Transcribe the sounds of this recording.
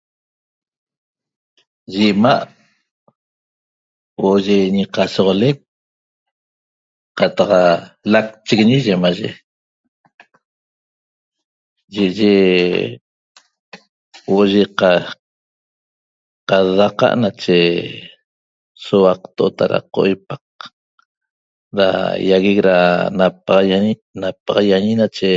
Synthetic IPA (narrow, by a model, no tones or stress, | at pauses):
ʒimaʔ | woʔoʒeɲiqasoʁolek̚ | qat̪ɑqalak̚t͡ʃiɡɲiʒemaʒḛ | ʒeʔʒe | woʔʒeqa | qaðaqa̰ʔnat͡ʃe | sowaq̚t̪oʔot̪aɾa̰qoʔojpaq̚ | ɾa̰jaɣikɾanap̚ɑʁɑjanap̚ɑʁɑjaɲinat͡ʃe